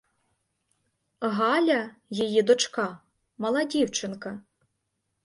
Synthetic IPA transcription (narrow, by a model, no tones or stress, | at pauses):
ɣɑlʲɐjɐjid̪ɔt͡ʂka | mɐlˠɐdʲiwt͡ʃɨnkɐ